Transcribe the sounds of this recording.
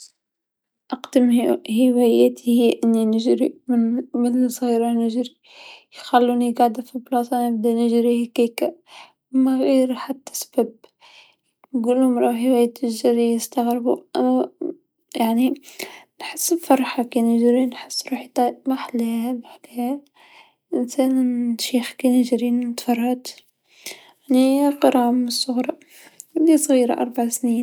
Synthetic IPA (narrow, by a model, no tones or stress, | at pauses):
ʔɑqd̪əmhɪwæjæt̪ʰihɪjːʔɪnːinɪʒɾḭmɪnmɪnsˤɣiːɾɑnɪʒɾi | jxalːuniɡaʕd̪æfiblɑsˤɑnəb̚d̪ænɪʒɾihækekæ | mæɣiɾħat̪ːæ̥sbæb̚ | nɡuːlhʊmɾˤɑəwæjæt̪ːɪʒɾijəst̪aɣɾbṵʔa | jaʕninħəsːbfɑɾˤħɑkeːnjɪʒɾinħɪ̥sːɾuħit̪ˤɑmaħlehhabħkea | ʔɪnsæːnʃiːxkenjʒɾiːnt̪fɑrˤːɑːt̪ | ʕniqɑɾˤʕaməsˤːʊɣɾˤɑ | lisˤɣiːɾa̰ʔɑ̰ɾˤbaʕsniːn